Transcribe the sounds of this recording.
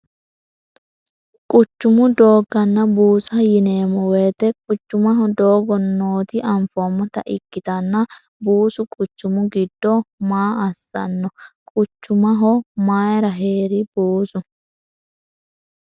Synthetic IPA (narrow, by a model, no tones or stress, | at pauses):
kʼʊt͡ʃːʊmʊd̪o̞ːɡɐnːɐbuːsɐjɪneːmɔweːt̪ɛkʼʊt͡ʃːʊmɐɦɔd̪oːɡɔnːoːt̪ɪʔɐɱfɔmːɔt̪ɐ̰ʔɪkːɪt̪ɐnːɐ | buːsʊkʼʊt͡ʃːʊmʊɡɪd̪ːɔmaːɐsːɐ̰nːɔkʼʊt͡ʃːʊmɐɦɔmaːjɾɐɦeːɾɪbuːsʊ